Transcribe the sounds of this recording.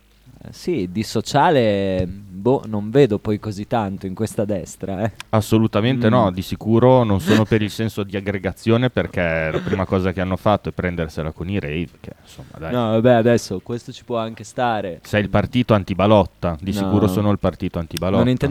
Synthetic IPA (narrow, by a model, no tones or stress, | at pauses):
sid̪isot͡ʃaːle | bonoɱveːd̪opɔjkozit̪ːant̪oiŋkwest̪ad̪ɛst̪ɾaɛasːolut̪ament̪enɔd̪isikuːɾononsoːnopeɾilsɛnsod̪iaɡːɾeɡat̪sːjoːneperk̟elapɾiːmakɔːzak̟eanːofat̪ːoɛpːɾɛnd̪erselakoniɾejvk̟ʰḛnsomːa̰d̪ajnɔvabɛad̪ɛsːokwest̪ot͡ʃi̥pwɔaŋkest̪aːɾesɛjilpart̪iːt̪oant̪ibalɔt̪ːad̪issikuːɾosoːnoilpart̪iːt̪oant̪ibalɔonin